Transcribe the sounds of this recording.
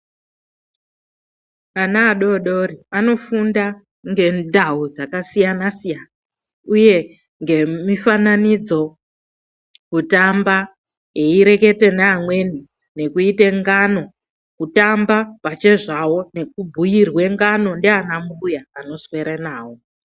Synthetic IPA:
anaːɗo̞ɗo̞ɾiano̞funda | ŋɡe̞ndaud͡zakasijanasijana | uje̞ | ŋɡe̞mifananid͡zo̞ | kutamba | jeiɾe̞ke̞te̞naːmwe̞ni | ne̞kuiteŋɡano̞ | kutambapat͡ʃe̞ʐawo̞ne̞kubʱujirwe̞ŋɡano̞ndeanamujaːno̞swe̞ɾenaːwo̞

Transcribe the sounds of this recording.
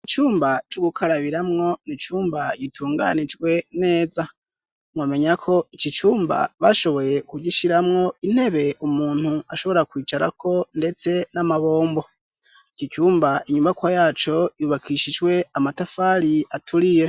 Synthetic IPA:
it͡ʃuːmbat͡ʃoɡukʰaɾaβiɾamŋo̞nit͡ʃuːmbaɟitʰuːŋɡa̰nid͡ʒɡwe̞ne̞ːza | mŋame̞ɲakʰo̞icit͡ʃuːmba̰βa̰ʃo̞βo̞je̞kuɟiʃiɾamŋo̞in̥he̞βe̞ʔumuːn̥huaʃo̞βo̞ɾakwiːt͡ʃaɾa̰kʰo̞nde̞t͡se̞namaβo̞ːmbo̞ | it͡ʃit͡ʃuːmbaʔiɲumβakwajaːt͡ʃo̞juːβakʰiʃid͡ʒɡwe̞amatafaɾiatʰuɾije̞

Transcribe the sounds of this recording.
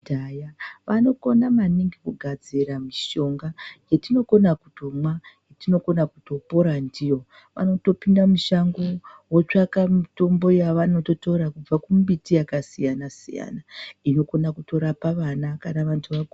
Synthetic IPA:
dajaʋano̞ko̞namaniŋɡikuɡʱad͡ziɾamiʃo̞ŋɡajetino̞ko̞nakuto̞majetino̞ko̞nakuto̞po̞ɾandijo̞ | ʋa̰no̞to̞pindamuʃaŋɡowot͡ʂakamito̞mbo̞jaʋano̞to̞to̞ɾakub͡vakumbitijakasijanasḭja̰naino̞ko̞nakuto̞ɾapaʋanakanaʋantʰuʋak

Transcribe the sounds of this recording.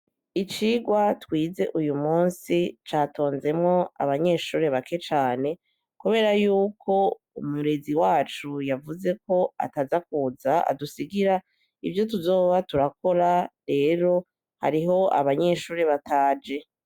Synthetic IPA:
it͡ʃiːɡwatwiːze̞ʔujumuːnsit͡ʃaːto̞ːnze̞mŋo̞a̰βaɲe̞ːʃuːɾe̞βake̞t͡ʃaːne̞ | kuβe̞ɾajuːkʰo̞ | umuɾe̞ziwaːt͡ʃujavuze̞ko̞a̰tazak̚uzaa̰dusiɡiɾa | ivjo̞t̬uzo̞ːβatuɾako̞ɾaɾe̞ːɾo̞ | ha̰ɾiɦo̞a̰βaɲe̞ʃuːɾe̞βataːd͡ʒe̞

